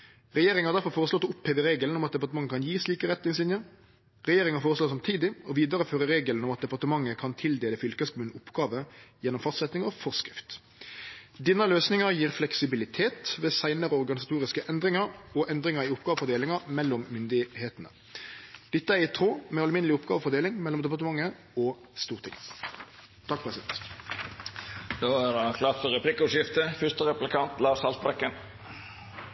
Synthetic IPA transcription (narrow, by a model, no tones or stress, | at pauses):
ʁɛjeːɾɪŋhɑɾd̪æɾfɔɾfoːɾəslɔt̪ːɔʊpheːʋəɾeːɡəln̩ɔmɑt̪̚d̪ɛpɑʁt̪əmɑŋːəkʰɑnjiːsliːkəʁɛt̪nɪŋslɪnjə | ʁɛjeːɾɪŋɑfoːʁəsloːsɑmt̪ʰiːd̪ɪɔʋiːd̪ɑɾəføːɾəɾeːɡəln̩ɔmɑt̪̚d̪ɛpɑʁt̪əmɑŋːəkʰɑnt̪ʰɪld̪eːləfʏlkəskmʉn̩ʊpɡɑːʋəjɛnːɔmfɑst̪sɛt̪nɪŋɔfɔʁskɾɪft̪ | d̪ɪnəløːsnɪŋɑɾjiːʁflɛksɪbɪlɪt̪ʰeːt̪ʋeːsæɪnəɾəɔʁɡɑnɪsɑt̪ʰuːɾɪskəʔɛnd̪ɾɪŋɑɾɔʔɛnd̪ʁɪŋɑʁiːʊpɡɑːʋəfɔʁd̪eːlɪŋɑʁmɛlːɔmːʏnd̪ɪheːt̪nə̰ | d̪̥ɪt̪ːəæʁɪt̪ʰʁoːmɛɑləmɪnəlɪʊpɡɑ̰ːʋəfɔʁd̪eːlɪŋmɛlɔmd̪ɛp̬ɑʁt̪əmɑŋːə | ɔ | st̪uːʁt̪ʰɪ̰ŋə | t̪ʰɑkpʰʁɛsɪd̪ɛnt̪ | d̪oːædɛkʰlɑːt̪fɔɾɛpʰlɪkʊʂjɪft̪əfʏʂt̪əɾɛplɪkʰɑnt̪lɑːsɑlt̪̚bɛkːən